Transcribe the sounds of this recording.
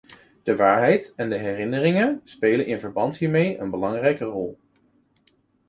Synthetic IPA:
d̥əʋaːɹɦɛjtɛndəɦɛrɪnərɪŋənspejlənʔɪnvəɹbɑntɦiːɹmejənbəlɑŋrɛjkərɔlˠ

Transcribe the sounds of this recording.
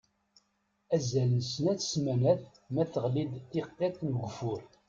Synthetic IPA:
æzælnsnæθsmænæθ | mæθəʁlid̪θiqːet̪nəɡʷəfʊɾ

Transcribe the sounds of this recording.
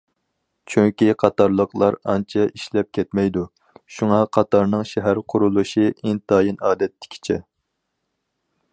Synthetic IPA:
t͡ʃʰyŋkʲiqʰɑt̪ɑɾlˠəqlˠɑɾɑ̰nt͡ʃʰɛʔiʃlɛp̚kʲʰɛt̪mɛjd̪u | ʃuŋɑqʰɑt̪ɑɾnɨŋʃɛɦæɾqʰʊɾulˠuʃiɪnt̪ʰɑːjinɑːd̪ɛt̪ʰːɪ̥kʲʰi̥t͡ʃʰɛ

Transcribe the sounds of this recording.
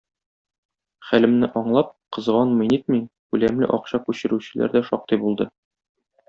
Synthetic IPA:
χælɘ̆mnɘʔɒɴlˠɑp̚qɤ̆zʁɑnminit̪̚mikʉlæmlɘ̰ʔɒqɕɑkʉɕɘ̆ɾʉɕɘ̆lʔæ̰ɾd̪æʃɒq̚t̪ɤjbulˠd̪ɤ

